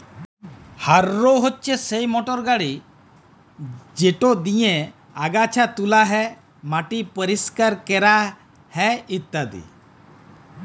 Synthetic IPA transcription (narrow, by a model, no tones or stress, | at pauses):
haɾːoɦotːt͡ʃʰesejmɔʈɔɾɡaɽi | d͡ʒeʈod̪ije | aɡat͡ʃʰat̪ulaɦɛ | maʈipəɾiskaɾkɛɾa | hɛit̪ːad̪ḭ